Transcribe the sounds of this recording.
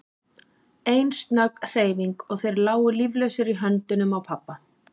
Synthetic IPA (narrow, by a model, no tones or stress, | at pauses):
ejnst̪nakr̥eːjviŋkɔɣθejɾlaːwʏlivlœɥsɪɾiɦant̪ʏnʏmawpʰapːa